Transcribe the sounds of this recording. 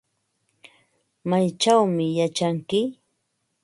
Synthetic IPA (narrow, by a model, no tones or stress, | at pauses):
majt͡ʃawmɪjat͡ʃaŋkɪ